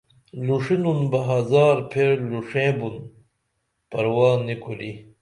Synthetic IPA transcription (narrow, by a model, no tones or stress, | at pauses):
luʂinunbɐɦazaːɾpʰeɾluʂẽːbun | pɐɾwaːnːikʰuli